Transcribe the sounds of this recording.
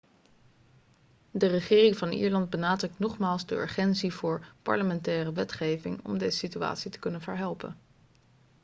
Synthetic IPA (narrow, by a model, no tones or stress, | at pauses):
dərəχɪːrɪŋvɑnʔḭːɹlɑnd̚bənaːdrɵk̚tnɔχmaːlˠzdəø̰ɹχɛnsiv̥ʊːɹpɑ̰ɹləmɛntɛːrəʋɛtχejvɪŋɔ̰mdejzəsitya̰ːtsitə̥kɵnənvəɹɦɛlˠpə̰n